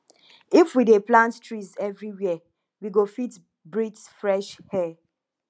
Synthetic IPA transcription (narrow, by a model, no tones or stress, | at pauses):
ifwideplãnttɹizɛvɹiwiɛ | wiɡofit | bɹid͡ʒsfɹɛʃhɛ